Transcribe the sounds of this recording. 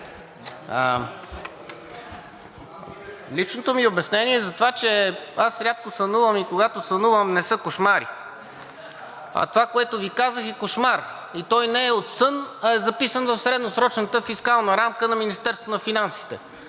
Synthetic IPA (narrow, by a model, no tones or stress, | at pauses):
lit͡ʃnot̪omiobɛsnɛniɛzɐt̪ovat͡ʃɛasɾʲap̚kosɐnuvəmikoɡat̪osɐnuvəmnɛsɤkoʃmaɾḭ | ɐ̰t̪ovakoɛt̪ovikazəxɛkoʃmaɾ | it̪ɔjnɛːɛot̪sɤnɐɛzɐpisənvɐfsɾɛd̪nosɾɔt͡ʃnət̪əfiskalˠnəɾamkənɐminist̪ɛɾst̪vnɐfinansi̥t̪ɛ̰